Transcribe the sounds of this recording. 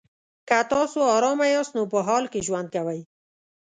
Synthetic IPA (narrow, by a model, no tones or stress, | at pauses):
kat̪ɑsoɑɾɑmajɑst̪nopəɦɑlkeʒwand̪̚kawəj